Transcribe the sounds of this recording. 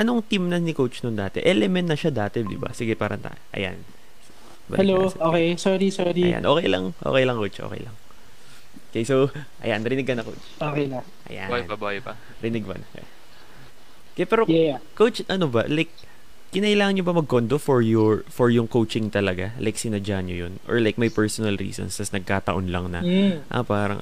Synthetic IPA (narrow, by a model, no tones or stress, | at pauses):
ʔɐno̞ŋt̪imnɐnɪkowt͡ʃnond̪aːt̪ɛ̰ʔɛlɛmɛnnɐʃad̪aːt̪ɛd̪ɪ̰ba̰sɪɡɛpaːɾʔɐŋt̪a̰ːjoʔɐ̰ja̰n | bɐ̰ɛloʔoːkejsɔːɾisɔɾija̰nʔo̰ːkɛjlɐ̰ŋʔo̰ːkɛjlɐŋkowt͡ʃʔo̰ːkɛ̰jlɐŋ | kejsoʔɐ̰janɾɪnɪɡkːɐnɐkowt͡ʃokejla | ʔɐ̰ja̰bojpɐbojpɐ | ɾɪnɪɡ̚pɐ̰n̰ | kapɛːɾokowt͡ʃʔɐnobɐlajk̚ː | ɪnɐʔɪlaːŋɐnɲobɐmɐɡ̚kond̪ofɔɹjʊɹfɔɹjʊŋkowt͡ʃɪŋt̪ɐlɐɡalʔajksɪnɐd͡ʒaɲɲojonʔɔ̰ɹlajk̚mɐjpɛɹsonɐlɾḭːso̰nst̪ɐsnɐɡ̚kaːt̪ɐʔonlɐŋnɐ̰ʔa̰paːɾɐ̰ŋ